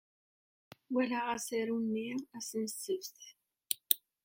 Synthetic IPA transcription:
wælaʁæsæɾunːiæsənsəvθ

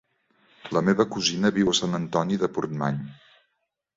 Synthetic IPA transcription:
ləmeβəkuzinəβiwəsanənt̪ɔniðəpuɾt̪ma̰ɲ

